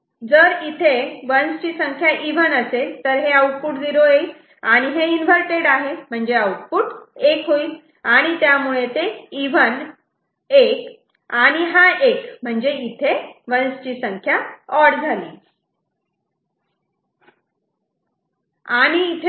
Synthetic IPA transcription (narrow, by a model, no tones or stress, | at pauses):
d͡zəɾit̪ʰeʋənst͡ɕiːsəŋkʰjaʔiʋənəset̪əɾɦeəuʈ̚fuːʈd̪iɾoej | aɽ̃iɦeinʋʱəɾʈeɽaɦem̤əɳd͡zeəuʈ̚fuːʈekɦoi | aɽ̃it̪jamuɭet̪eiʋən | ek | aɽ̃iɦaekm̤əɳd͡zeit̪ʰeʋənst͡ɕiːsəŋkʰjaɔɽd͡zʱalḭː | aɽ̃iːt̪ʰe